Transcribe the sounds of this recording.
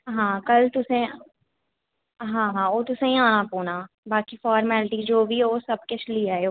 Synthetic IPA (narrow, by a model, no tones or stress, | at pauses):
ɦãːkɐlt̪ʊsẽ | ɦãːɦãːoːt̪ʊsẽĩãːnapoːnaː | baːkifɔːɾmɛːlʈid͡ʒoːbʱioːsɐb̚kɪt͡ʃʰliae